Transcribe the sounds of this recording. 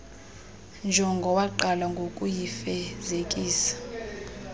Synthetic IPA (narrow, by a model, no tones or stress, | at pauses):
nd͡ʒʱɔŋɡʱɔwaǃalaŋɡʱokʼujifɛzekʼiːsḁ